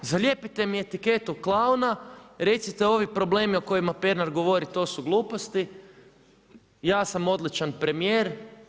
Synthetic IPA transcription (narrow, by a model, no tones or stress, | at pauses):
zaljepit̪e̞mie̞t̪ike̞t̪uklˠaunaɾe̞t̪sit̪e̞o̞ʋipɾo̞ble̞ːmioko̞jimapeɾnaɾɡo̞ʋo̞ɾit̪o̞ːsuɡlˠuːpo̞st̪i | jaːsamo̞d̪lit͡ʃanpɾe̞mije̞ːɾ